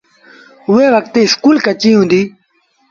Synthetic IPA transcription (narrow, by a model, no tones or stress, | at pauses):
ʊɦeːʋək̚t̪eːɪskuːlkət͡ʃĩːɦũːnd̪iː